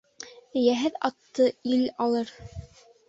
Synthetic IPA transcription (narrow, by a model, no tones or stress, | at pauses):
ɘ̆jæɦɘðɑt̪ːɤilɑlˠɤɾ